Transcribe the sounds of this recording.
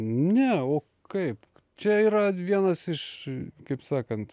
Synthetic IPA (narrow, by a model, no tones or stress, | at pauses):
nʲɛoː | kɐɪp | t͡ʃʲɛiːɾɐʋʲiɛnɐsɪʃkɐɪpsɑːkɐnt̪